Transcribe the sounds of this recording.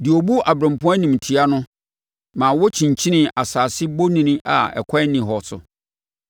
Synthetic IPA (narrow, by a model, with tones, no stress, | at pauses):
dɪ˨o˨bu˦ʔa˨bɾã˨m˨pʰʊ̃˦a˦nĩ˨m˨tʰi˨˦a˦nʊ̃˦ | mãː˨wɔ˦t͡ɕʰĩ˨ɲ˨t͡ɕʰĩ˦nɪ̃˦ʔa˨saː˨sɪ˦bo˦nĩ˦nĩ˦ʔa̰˨ɛ̰˨kʷʰa˦nĩ˨ɦɔ˨sʊ˨